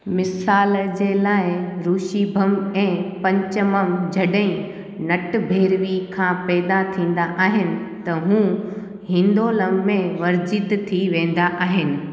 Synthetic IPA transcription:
mɪsaːld͡ʑeːlaːɪɾuːʃibʱəmɛ̃ːpɐ̃ɲt͡ɕəmɐmd͡ʑʱɐɗə̃ĩ | nɐʈ̆bʱeːɾʋikʰãːpɛːd̪at̪ʰĩːn̆d̪aʔaːɦɪnɪ̆t̪ɐɦũː | ɦɪ̃nd̪oːləmːẽʋɐɾd͡ʑɪt̪t̪ʰiʋẽːn̆d̪aʔaːɦɪnɪ̆

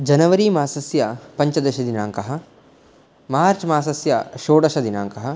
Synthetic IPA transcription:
d͡ʒɐnɐʋɐɾiːmaːsɐsjɐpɐɲt͡ʃɐd̪ɐʃɐd̪inaːŋkɐɦɐ̆ | maːɾt͡ʃmaːsɐsjɐʃoːɽɐʃɐd̪inaːŋkɐɦɐ

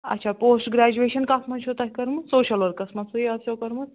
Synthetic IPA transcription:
ɐ̰tːt͡ʃʰaːpoːsʈɡɾæːd͡ʒueːʃɐnkɐsmɐnt͡ʃʰut̪ɐkʲkɐɾmɨt̪soːʃɐlʋɐɾkɐsmɐsɨiɐsjokɐɾmɨt̪

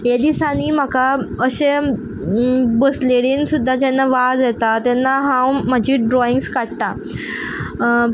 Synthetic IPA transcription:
jad̪isaniːm̤akaəɕẽ | bəsleɽiːnsud̪ʱːad͡ʑɛnːaʋad͡zjet̪at̪ɛnːaɦãwm̤əd͡ʑiːɖɾɔiŋɡskaɽt̪a

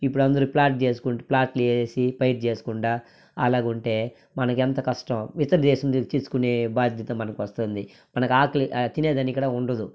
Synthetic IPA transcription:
ipːuɽuɐnd̪ɐɾuplaːʈ̚t͡ʃeːs̬u̥kuʈplaːʈleːsipɐjʈ̚t͡ʃe̞ːsu̥kuɳɖaː | ɐlaːɡuɳʈe̞ː | mɐnɐk̬ent̪ɐkɐʂʈɐmʋit̪ɐɾɐd̪ɛːʃɐmt͡ʃiːsu̥kuneːbaːd̪ʱjɐt̪ɐmːɐnɐkuʋɐst̪und̪i | mɐnɐkuaːkɐlit̪ineːd̪ɐnːikːɐɽaːuɳɖɐd̪u

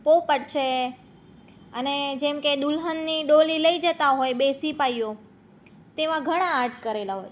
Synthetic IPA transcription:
popəɽt͡ʃʰe | əned͡ʒemked̪ulɦənːiɖoliləid͡ʒət̪aɦojbesipajjõ | t̪eʋãɡʱəɽ̃ãːɾʈʰkəɾelaɦoj

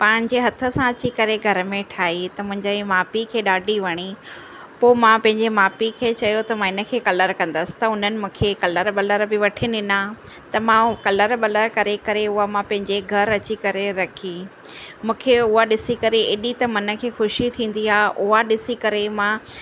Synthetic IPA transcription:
paːɽ̃d͡ʑeɦɐt̪ʰə̆sãɐt͡ɕikɐɾeɡʱɐɾə̆mẽʈʰaːɦit̪ɐmʊ̃ɦɪ̃ɲd͡ʑemaːpikʰeːɗaːɖʱiʋɐɽ̃i | poːmãpɐ̃ɦɪ̃ɲd͡ʑemaːpikʰeːt͡ɕɐjot̪ɐmãːɪnə̆kʰeːkɐləɾkɐ̃nd̪əsɪ̥t̪ɐʊn̤ənɪ̆mũːkʰekɐləɾɓɐləɾbɪʋɐʈʰinɪnã | t̪ɐmãkɐləɾɓɐləɾkɐɾekɐɾeʊɦamãpɐ̃ɦɪ̃ɲd͡ʑeɡʱɐɾɐt͡ɕikɐɾeɾɐkʰi | mũːkʰeʊɦaɗɪsikɐɾeɪɗit̪ɐmɐnə̆kʰeːxʊʃit̪ʰĩːn̆d̪iaːʔʊɦaɗɪsikɐɾemã

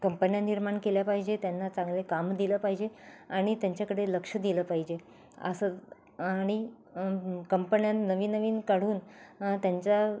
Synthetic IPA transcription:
kəmpənjaniɾmaɳkeljapaɦid͡ʑet̪janːat͡sãŋɡlekamd̪iləpaɦid͡ʑeaɽ̃it̪jaɲt͡ɕakəɽeləkʂəd̪iləpaɦid͡ʑe | ə̰sə | ɽ̃i | kəmpənjãnəʋiːnːəʋiːnkaɽ̤uːnt̪jaɲt͡ɕa

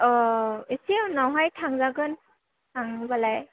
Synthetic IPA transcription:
ɔesiawnawɦajtʰaŋzaɡɯn | tʰaŋbalaj

